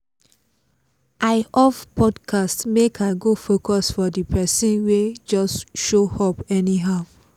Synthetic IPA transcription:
ʔaɪɔvpʰɔdkʰastmekʰaɡofokɔsfɔdipʰɛsĩnwed͡ʒɔsʃohɔpɛniɦaʊ

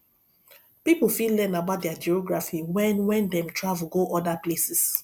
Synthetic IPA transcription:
pipfillɛnabaʊt̚dɛad͡ʒiɔɡɹafiwɛ̃nwɛ̃ndɛ̃mtʰɹavulɡoʔɔdaplesis

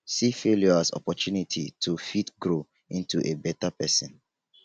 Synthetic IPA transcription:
sifeljɔasɔ̰pɔtunitʰitʰufitɡɹo | ĩntʰuʔebɛtapɛsɔ̃n

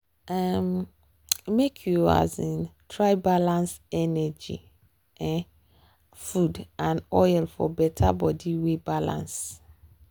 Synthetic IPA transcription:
ɛm | mekʰjua̰zɪ̃ntʰɹaɪbalãnsɛnɛd͡ʒḭ | ɛ̃ | fudãnɔjlfɔ̰bɛtʰa̰bɔdiwebalã̰ns

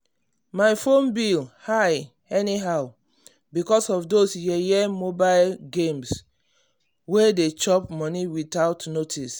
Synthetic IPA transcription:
majfõnbilhaj | ɛniɦaʊ | bikɔsɔfdosjɛjɛmobalɡẽms | wedet͡ʃɔpmɔniwitaʊtnotʰis

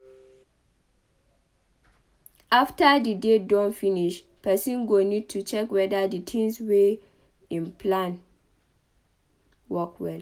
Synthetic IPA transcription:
aftadidedɔ̃nfĩniʃ | pʰɛsĩnɡonid̚tʰut͡ʃɛkwɛdaditʰĩŋswe | ĩnpʰlãn | wɔkwɛd

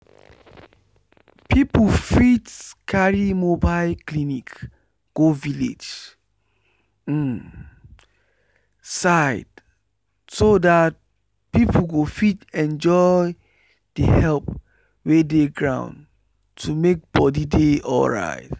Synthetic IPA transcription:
pʰiplfitkʰaɹimobaɪlklinik | ɡ̥ovilḛd͡ʒ | saɪd̥ | sodat̚ | pipʰl̩ɡofitɛ̃nd͡ʒɔ | d̥əhɛlp | wedeɡɹã̰ʊ̃n | tʰumek̚b̥ɔdideɔ̰lɹa̰ɪt

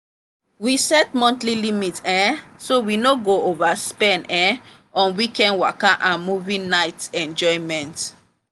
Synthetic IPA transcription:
wisɛt̚mɔ̃ntlilimitɛ̃sowinoɡoovaspɛ̃nɛ̃ | ɔ̃nwikɛ̃nwakaʔãnmuvĩnaɪtɛ̃nd͡ʒɔjmɛ̃nt

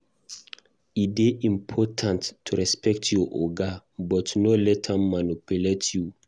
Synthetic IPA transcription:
ideʔĩmpʰɔtʰãnttːuɹɛspɛk̚tʰjɔʔɔ̰ɡabɔtnolɛtʰamanupuletʰju

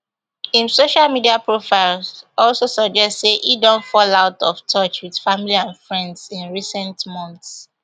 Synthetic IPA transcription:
ĩmsoʃalmidiapʰɹofaɪlɔlsosʌɡ̚d͡ʒɛstseʔidɔ̃ntfɔlaʊtɔ̰ftʰɔt͡ʃwið̥familiãnfɹɛ̃ndzĩnɹisɛ̃ntmɔ̃nθs

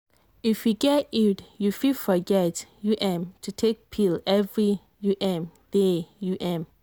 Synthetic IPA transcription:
ifjuɡɛtitjufifɔɡɛtjuʔɛ̃mtʰutʰek̚pʰilɛvɹi | juʔɛ̃md̥ɛjuʔɛ̃m

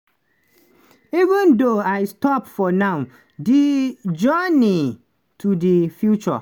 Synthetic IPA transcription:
ivə̃ndoaɪstɔpfɔnãw | did͡ʒɔni | tʰudifjut͡ʃɔ̰

